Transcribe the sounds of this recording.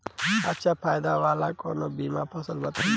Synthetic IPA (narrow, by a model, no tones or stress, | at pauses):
ɐtːʃʰapʰaːjd̪aʋaːlakoːnobiːmapʰɐsəlbɐt̪ʰ